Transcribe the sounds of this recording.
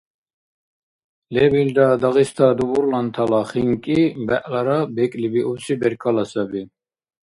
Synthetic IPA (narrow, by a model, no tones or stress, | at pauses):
lɛbild̪ad̪aɣist̪ʰad̪ubuɾlant̪ʰalaχiŋkʼibɛʔlaɾabɛkʼlibiʔubsibɛɾkʰalasabi